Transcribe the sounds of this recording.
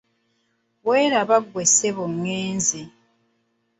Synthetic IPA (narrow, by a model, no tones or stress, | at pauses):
wweːɾaβaɡweseβoŋːeːnzi